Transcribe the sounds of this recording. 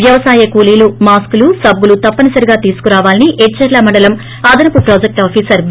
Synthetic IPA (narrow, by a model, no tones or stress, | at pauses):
ʋjɐʋɐsaːjɐkuːliːlumaːskulusɐbːulut̪ɐpːɐnɐsɐɾiɡaːt̪iːsu̥kuɾaːʋaːliniʔɛʈt͡ʃːɐɾlɐmɐɳɖɐlɐm | aːd̪ɐnɐpupɾoːd͡ʒek̚ʈaːpʰiːsɐɾb